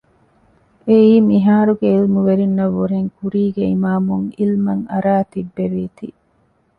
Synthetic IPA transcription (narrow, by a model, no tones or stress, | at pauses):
eiːmiɦaːɾuɡeilmuʋeɾinːɐʋːuɾeŋkuɾiːɡeimaːmuŋilmɐŋɐɾaːt̪ibːeɾiːt̪i